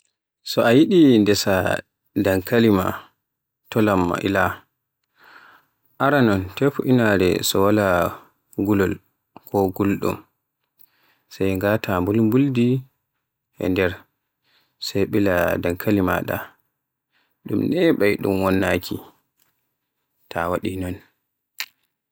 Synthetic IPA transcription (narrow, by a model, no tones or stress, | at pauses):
sɔʔajiɗindɛsa | daŋkalima̰ | tɔlamːa̰ʔḭla | ʔaɾanɔntɛfuʔinaɾɛ̰sɔwala | ɡulɔl | kʰɔɡulɗṵm | sajŋɡatʰambulmbuldi | ʔɛ̰ndɛɾ | sajɓiladaŋkʰalima̰ɗa̰ | ɗumnɛɓajɗṵmwɔnːakʰi | tʰawaɗinɔn